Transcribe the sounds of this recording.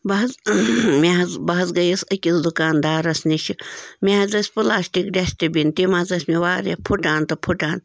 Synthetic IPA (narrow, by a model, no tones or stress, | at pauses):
bɐɦɐzmeɦɐzbɐɦɐzɡɐjɐsɐkʲisd̪ukaːnd̪aːɾɐsniʃʰimʲeɦɐzɐsʲpɨlaːsʈikɖʲasʈibʲint̪imɐzɐsʲmiʋaːɾḛpʰuʈaːnt̪ɐpʰuʈaːn